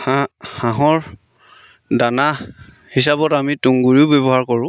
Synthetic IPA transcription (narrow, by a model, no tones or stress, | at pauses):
ahaɦɔɹ | dana | hisabɔtamituŋɡuɹiʊbebɔɦaɹkɔɹʊ̃